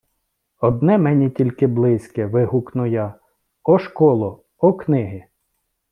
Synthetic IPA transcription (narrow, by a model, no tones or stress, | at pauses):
ɔd̪̚nɛmɛnʲitʲilʲkɪblˠɪsʲkɛʋɪɦʊknʊjɑ | ɔʃkɔlˠɔ | ɔknɪɦɪ